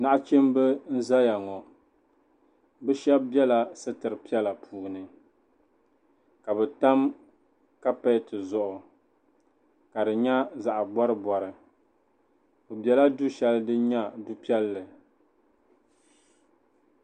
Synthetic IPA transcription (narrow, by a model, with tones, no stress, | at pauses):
na˦ʔt͡ʃe˦mbɨ˦n̩˦za˦ja˨ŋɔ˨ | bɛ˦ʃɛ˦b̚bɛ˦la˨sɨ˦tɨ˨ɾɨ˨pi˦ɛ˦la˨pʰuː˨nɨ˨ | ka˨bɛ˨ta˦m | ka˦pɛ˦tɨ˨zʊ˦ʔʊ˨ | ka˨dɨ˨ɲa˦za˨ʔbɔ˦ɾɨ˦bɔ˨ɾɨ˨ | bo˨bjɛ˦la˦du˦ʃɛ˦ldɨ˦ɲa˦du˦pi˦ɛ˦lːɨ˨